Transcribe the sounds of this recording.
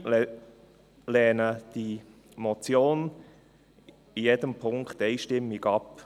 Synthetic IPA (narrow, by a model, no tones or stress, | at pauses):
lɛːnəd̥i | mɔt͡sjoːn | ijɛdəmpʰʊŋkχt̪ɛɪʃtɪmːiɡɑp